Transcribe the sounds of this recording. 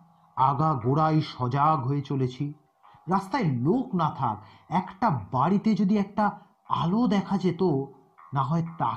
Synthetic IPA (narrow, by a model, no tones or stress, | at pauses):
aɡaɡoɽajʃɔd͡ʑaɡɦoet͡ɕolet͡ɕʰi | ɾast̪aeloknat̪ʰa̰k | ɛkʈabaɽit̪ed͡ʑod̪iɛk̚ʈa | a̰lod̪ɛkʰad͡ʑet̪o | naɦɔet̪a